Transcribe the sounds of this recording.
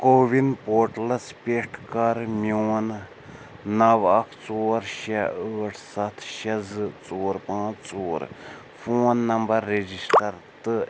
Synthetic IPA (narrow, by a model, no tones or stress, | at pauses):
koːʋinpoːɾʈlɐspʲeʈʰkɐɾmjoːn | nɐʋɐkʰt͡soːɾʃɐəːʈʰsɐt̪ʰʃɐzɨt͡soːɾpãːt͡ʃt͡soːɾ | fʰoːnːɐmbɐɾːed͡ʒisʈɐɾt̪ɨ